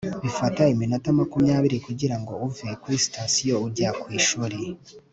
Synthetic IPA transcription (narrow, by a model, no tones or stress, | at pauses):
βifataimino̞tamakumɲaːβiɾikuɟiɾaŋɡo̞uvikwisi̥tasijo̞uɾɟakwiːʃuːɾe